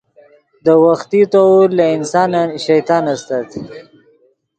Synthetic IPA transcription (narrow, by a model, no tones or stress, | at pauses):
d̪əwaxt̪it̪owɾlaɪnsɑnaʃajt̪ɑnast̪at̪